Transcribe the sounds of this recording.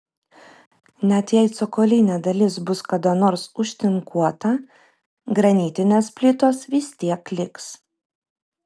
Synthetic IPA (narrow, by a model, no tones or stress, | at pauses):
nʲɛt̪jɛɪt̪sɔkoːlʲinʲeːd̪ɐlʲɪs̬bʊskɐd̪onoːɾsʊʃʲt̪ʲɪŋkʰuɔt̪ɐ | ɡɾɐnʲiːt̪ʲɪnʲeːspʲlʲɪt̪oːsʋʲɪsʲt̪ʲiɛklʲɪks